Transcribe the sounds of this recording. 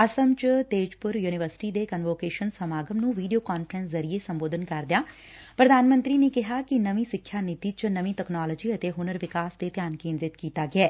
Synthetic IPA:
ɐsəmt͡ʃt̪eːd͡ʒpʊɾjuːnɪʋəɾsɪ̥ʈiːd̪eːkənʋoːkeːʃənsəmaːɡəmnũːʋiːɖijoːkaːnfəɾə̃nszɐɾiesəmboːd̪ʱənkɐɾd̪ɪjaː | pɾəd̪ʱaːnmə̃nt̪ɾinekɪɦakinɐʋĩsɪkʰːjaːnɪt̪it͡ʃnəʋĩʈɛknaːləd͡ʒiːət̪eɦʊnəɾʋɪkaːsd̪ep̪jaːnkẽːnd̪ɾɪt̪kiːt̪aːɡɪɛː

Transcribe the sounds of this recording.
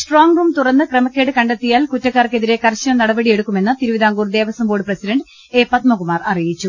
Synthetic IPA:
sʈroːŋɡruːmt̪urɐnːɨkrɐmɐkʲːeːɽɨkɐɳɖɐt̪ːijaːlkutːɐkːaːrke̞ðiɾe̞kɐrɕɐɐmnɐɽɐbɐɽije̞ɽukːume̞nːɨt̪iɾuʋiðaːŋɡuːrd̪e̞ːʋɐsɐmboːɽɨprɐsidɐɳɖ | eːpɐt̪mɐɣumaːrɐrijit͡ɕːu

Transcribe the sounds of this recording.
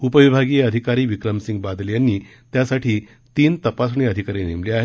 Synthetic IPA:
upəʋibʱaɡijeəd̪ʱikaɾiːʋikɾəmsiŋɡbad̪ljanːiːt̪jasaʈʰiː | t̪iːnt̪əpas̬ɳiəd̪ʱikaɾenemliaɦe

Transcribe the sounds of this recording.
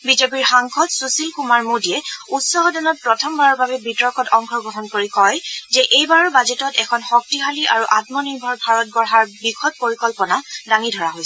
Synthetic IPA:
bizepiɹxaŋkʰɔtsusilkumaɹmudiɛutsɔɦɔdɔnɔt̚pɹɔtʰɔmbaɹɔɹbabɛbitɔɹkɔtɔŋkʰɔɡɔɦɔnkoɹikɔjzɛʔejbaɹɔɹbazetɔtɛkʰɔnxɔk̚tiɦaliʔaɹuʔatmɔniɹbʱɔɹbʱaɹɔt̚bɔɹɦaɹbikʰɔt̚poɹikɔlpɔnadaŋidʱɔɹaɦojsɛ

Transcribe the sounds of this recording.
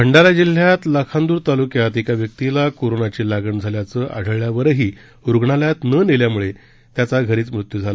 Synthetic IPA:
kʰəɳɖalad͡ʑil̤ːjat̪ləkʰand̪uːɾt̪alukjat̪ekaʋjək̚t̪ilakoɾonat͡ɕeːlaɡəɳd͡zʱaljat͡səːʔa̰ɽ̤ʱəɭjaʋəɾɦiː | uɾɡʱɳaljat̪nəniljamuɭe | t̪jat͡saɡʱəɾiːt͡smɾut̪jud͡zʱala

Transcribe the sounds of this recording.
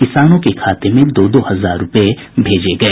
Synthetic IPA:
kɪsaːnõkekʰaːt̪emẽd̪oːd̪oːhɐzaːɾːʊpe | bʱeːd͡ʒeɡɐeː

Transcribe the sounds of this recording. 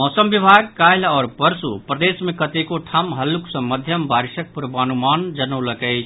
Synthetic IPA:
mɔːsəmbibʱaɡ̚kajlɔːɾpəɾsupɾəd̪esmẽkət̪ekoʈʰamɦəlːuksə̃məd̪ʱjəmbaɾiʃək̚puɾbaːnumaːnd͡ʒənələkəɪ

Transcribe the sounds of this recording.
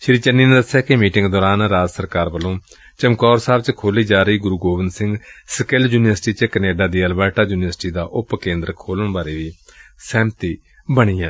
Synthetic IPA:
ʃɪɾiːt͡ʃənːiːnẽːd̪əsjaːkɪmiːʈɪ̃ŋɡd̪ɔːɾaːnɾaːd͡ʒsəɾkaːɾbəlõː | t͡ʃəmkɔːɾsaːbt͡ʃkʰoːliːd͡ʒaːɾəiːɡʊɾuːɡoːʋɪnsɪ̃ŋɡsəkɪld͡ʒuːnɪʋəɾsʈiːt͡ʃəkəneːɖaːd̪iːəlbɛːʈaːd͡ʒuːnɪʋəɾsɪʈiːd̪aːʔʊpkẽːnd̪əɾkʰoːləɳbaːɾeːʋiːsɛ̃ːmt̪iː | bəɽ̃iːãː

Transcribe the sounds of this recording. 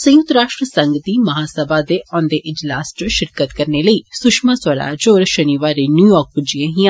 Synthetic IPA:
sə̃j̃ʊt̪ɾaːʃʈɾəsəŋɡd̪iːməɦaːsəbaːd̪eːʔɔːnd̪eːʔɪd͡ʒlaːst͡ʃəʃɪɾkət̪kəɾneːləiːsʊʃmãːsəɾa̰ːd͡ʒoːɾʃəniːʋaːɾeːnjuːjɔːɾk̚bʊd͡ʒijẽːɦĩã

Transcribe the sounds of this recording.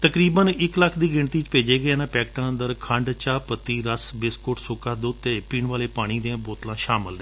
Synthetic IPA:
t̪əkɾiːbənɪkləkʰd̪iːɡɪɳt̪iːt͡ʃpeːd͡ʒeːɡəeːnãːpɛːkʈãːənd̪əɾkʰəɳɖt͡ʃaːpət̪ːiːɾəsbɪskoːʈsʊːkaːd̪oːt̪ːeːpiːɳʋaːleːpaːɽ̃iːd̪eãːboːt̪lãːʃaːməld̪ɛː

